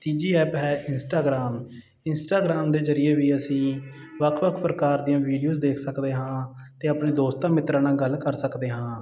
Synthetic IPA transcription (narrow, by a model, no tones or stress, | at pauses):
t̪iːd͡ʒiːɛːpɦɛːʔɪnsʈaːɡɾaːm | ɪnsʈaːɡɾaːmd̪eːzəɾɪjeːʋiːəsĩː | ʋəkʰʋəkʰpɾəkaːɾd̪ijãːʋiːɖijuːzd̪eːkʰsəkd̪eːɦãː | t̪eːəpneːd̪oːst̪ãːmɪt̪ɾãːnãːɡəlkəɾsəkd̪eːɦãː